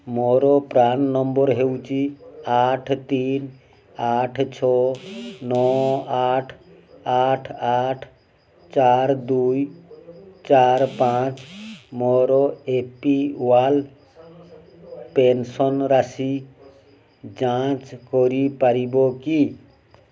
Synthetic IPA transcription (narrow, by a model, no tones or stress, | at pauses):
mɔɾɔpɾanːɔmbɔɾɦewt͡ʃiaʈʰt̪in | aʈʰt͡ʃʰɔ | nɔaʈʰ | aʈʰaʈʰ | t͡ʃaɾd̪uj | t͡ʃaɾpat͡ʃmɔɾɔepiwal | pensɔnɾasi | d͡ʒat͡ʃkɔɾipaɾibɔki